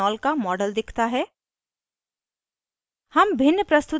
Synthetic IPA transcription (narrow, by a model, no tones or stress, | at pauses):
ɔːlkamɔːɖəld̪ɪkʰt̪aɦɛː | hɐmbʱɪnːəpɾɐst̪ʊ